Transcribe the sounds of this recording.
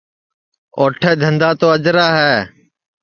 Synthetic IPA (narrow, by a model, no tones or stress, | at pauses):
oːʈʰɛːd̪ʱənd̪aːt̪oːəd͡ʒɾaːɦɛː